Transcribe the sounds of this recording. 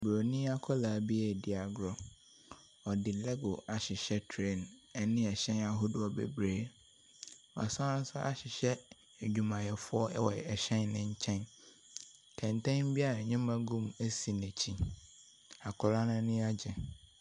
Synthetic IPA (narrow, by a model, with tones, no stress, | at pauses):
bɾo˨nĩ˦a˦kʰɔ˦laː˨˦bi˦ɛ˦˨dɪ˨a˨ɡɾɔ˦ | ɔ˨dɪ˨lɛ˦ɡo˨a˨ɕɪ˨ɕɛ˦tʰɾe˦˨nɛ˦˨nɪ̃˦ɛ˨ɕɛ̃˦na˨ɦʊ˦dʊ˨ɔ˨bḛ˨bɾeː˨ | wa̰˨sã˦ã˦n˦sʊ˦ʔa̰˦ɕɪ˨ɕɛ˦ | e˨d͡ʑᶣu˨mã˨jɛ˨fʊ˦ɔ˦ɛ˦wɔ˨ɛ˨ɕɛ̃˦nːɪ̃˦ɲ̩˦t͡ɕʰɛ̃˦n | tʰɛ̃˨ntʰɛ̃˦n˦bi˦a˦ɾa˨ɲɪ̃˦mã˦ɡũ˦me˦si˨nɛ̃˨t͡ɕʰĩ˦ | a˨kʰɔ˨la˦nã˦nɪ̃˦a˦d͡ʑɛ˨